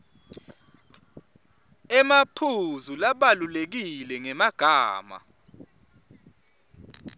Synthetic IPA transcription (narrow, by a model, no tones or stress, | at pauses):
ɛmapʰuzulaɓalulek̬ilɛŋɛmaɡ̥ʱaːma̰